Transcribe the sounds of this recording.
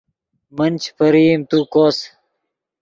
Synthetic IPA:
mənt͡ɕpɐɾiːmt̪uːkoːs

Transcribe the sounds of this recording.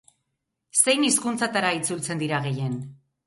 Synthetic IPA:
se̞jniskunt͡sat̪aɾait͡sult͡se̞nd̪iɾaɣe̞je̞n

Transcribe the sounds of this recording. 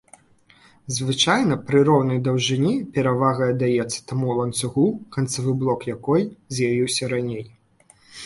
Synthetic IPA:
zvɨt͡ʂajnɐpɾɨɾɔwnɐjd̪ɐwʐɨnʲipʲɛɾavaɣɐɐd̪ajɛt̪sːɐ̥t̪amulˠɐnt̪suɣukɐnt̪savɨblˠɔkjakɔjzʲjavʲiwsʲɐɾanʲej

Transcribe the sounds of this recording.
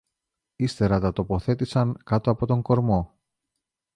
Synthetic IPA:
ist̪e̞ɾɐt̪ɐt̪o̞po̞θe̞t̪isɐŋkɐt̪oɐpo̞t̪o̞ŋko̞ɾmo̞

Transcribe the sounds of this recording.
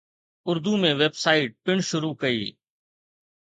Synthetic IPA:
ʊɾd̪uːmẽːʋeːbsaːiːʈ̚pɪɳʃʊɾuːkəḭː

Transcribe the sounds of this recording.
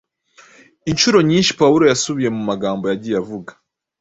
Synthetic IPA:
inʃuɾo̞ɲiːnʃi̥pawuɾo̞jasuβije̞mumaɡaːmbo̞jaɟijavuɡḁ

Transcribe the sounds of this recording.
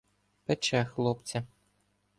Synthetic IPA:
pɛt͡ʃɛxlˠɔpt͡sʲɐ

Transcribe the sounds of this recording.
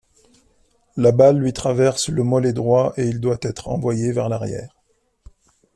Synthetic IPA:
labalːɥit̪χavɛʁsləmɔled̪ʁwaʔeild̪wat̪ɛt̪χɑ̰̃vwajevɛʁlaʁjɛ̰ːʁ

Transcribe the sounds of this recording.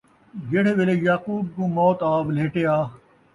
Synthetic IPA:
d͡ʒeːɽeːʋelejaːkuːb̚kũːmɔːt̪aːʋleːʈeːaː

